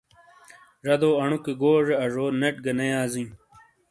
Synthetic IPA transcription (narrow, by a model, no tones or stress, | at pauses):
ʐɐd̪oːɐɳukeɡoːʐeɐʐoːneʈ̚ɡɐnejaːzĩː